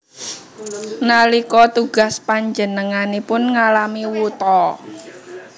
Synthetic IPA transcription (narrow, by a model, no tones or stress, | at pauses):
nalikɔt̪uɡ̥a̤spaɲd͡ʒənəŋanipʊnŋalamiwut̪ɔ